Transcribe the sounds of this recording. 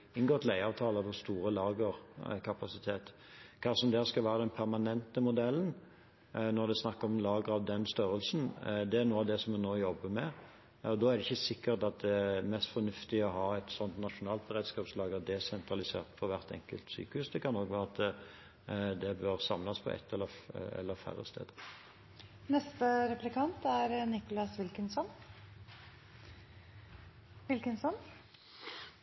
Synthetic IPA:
ɪnɡoːt̪læɪɑːʋt̪ʰɑːləpɔst̪uːɾəlɑːɡəʁkʰɑpɑsɪt̪ʰeːt̪ | kʰɑːsɔmd̪æːskɑlʋæːʁəd̪ɛnpʰæʁmɑnɛnt̪əmʊd̪ɛlːən | nɔɾd̪ɛsnɑkːəɾɔmlɑːɡəɾɑʋd̪ɛnst̪œɾəlsnd̪ɛæʁnuːəɑʋd̪ɛsɔmɛnoːjɔbːəmɛ | ɔd̪ɔːæɾd̪ɪçːəsɪkːəɾt̪ɑt̪̚d̪ɛmɛst̪fɔnʉft̪ɪɔɦɑːɛt̪sɔnt̪nɑʂʊnɑːlt̪̚bəʁeːd̪skɑːpslɑːɡəd̪ɛsɛnt̪ɾɑlɪsḛːʁt̪fʰɔʋæʁt̪ɛ̰ŋkəlt̪sy̰ːkəhʉːsd̪ɛkʰɑnɔɡʋæːʁəɑt̪ | d̪ɛbøɾsɑmlɑspʰɔ̰ʔɛ̰t̪ʰːɛlːəɛ̰lːəfæ̰ʁə̰st̪ʰḛːd̪ | nɛst̪əɾɛplɪkʰɑnt̪æɾnɪkʊlɑsʋɪlkənsɔn | ʋɪlkənsɔn

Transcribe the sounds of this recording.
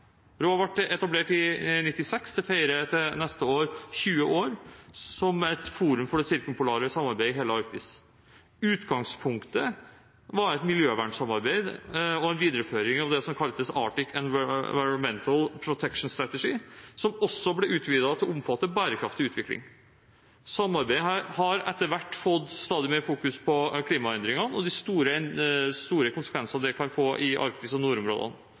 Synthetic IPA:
ɾohɑʋæʈːɛt̪ɑbleːʈɪnɪt̪ːɪsɛksd̪ɛfæɪɾət̪ɛnɛst̪əoːɾɕʉːəʔoːɾsɔmæt̪fuːɾʉmfɔɖɛsɪɾkəmpʊlɑːɾəsɑmːɑɾbæɪɦeːləɑɾk̚t̪ɪ̰s | ʉːt̪ɡɑŋspʰʊŋkt̪ə | ʋɑɾɛt̪mɪljøːʋæɳsɑmɑɾbæɪd̪ɔɛnʋiːd̪əɾəføːɾɪŋɑʋd̪ɛsɔmkʰɑləd̪əsɑ̰ːʈɪkʰɛn̰ʋɑɪɾɾʊnmɛnt̪ʰəlpʰɾʊt̪ʰɛkʂn̩st̪ɾɑt̪ɛʂisɔmɔsːɔblɛʔʉːt̪ʰʋiːd̪ɑt̪ʰɪlɔɔmfɑt̪ːəbæːɾəkʰɾɑft̪ɪʉːt̪ʰʋɪklɪ̰ŋ | sɑmːɑɾbæɪəɦæːɾhɑɾɛt̪ːəɾʋæʈːfɔd̪st̪ɑːd̪ɪmeːɾfuːkʉspʰɔkʰliːmɑɛnd̪ɾɪŋɑnɔd̪ɪst̪uːɾəst̪uːɾəkʰʊnsəkʰʋɛnsɑd̪ɛkʰɑnfoːʔɪʔɑ̰ɾk̚t̪ɪəsɔnuːɾʊmɾo̰ːd̪ə̰n

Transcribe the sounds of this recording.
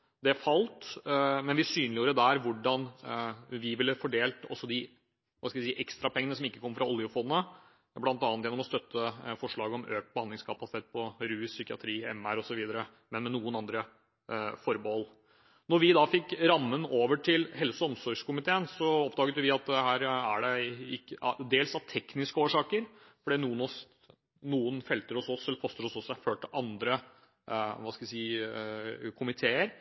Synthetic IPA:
d̪ɛfɑlt̪mɛnʋɪsyːnlɪjuːɾəd̪æɾʋʊɖɑn | ʋɪʋɪlːəfɔɖeːlt̪ɔ̰sːɔd̪ɪ | ʋɑskɑʋsiːʔɛkst̪ɾɑpʰɛŋənəsɔmɪkːəkʰɔmːəfɾɑʊlːjʊfɔd̪ənə | blɑnt̪ɑːnt̪jɛnɔmɔst̪œt̪ːəfɔʂɭɑːɡəɔmø̰ːk̚t̪̚bəhɑnd̪ɪŋskʰɑpɑsɪt̪ʰeːt̪̚pʰɔɾʉːsʏkɪɑ̰t̪ʰɾiːɛmæɾɔsɔʋiːd̪ɑɾə | mɛnmɛnuːənɑnd̪ɾə | fɔɾbəɔlː | nɔɾʋɪd̪ɑfɪkːɾɑmːənoːʋəʈʰɪlhɛlsʊɔmsɔɾʂkʊmɪt̪ʰeːənsɔɔpːd̪ɑːɡət̪jʊʋɪɑt̪̚d̪ɛhæːɾæɖɛɪkːəd̪eːlsɑʋt̪ʰɛknɪskəoːʂɑːkəɾfɔɖiːnuːənɔs | nuːənfɛlt̪əɾɔsɔsɛlːəpʰɔst̪əɾɔsɔsæføːʈ̪ʔɑnd̪ɾə | ʋɑskɑʋɪsiː | kʰʊmɪt̪ʰeːəɾ

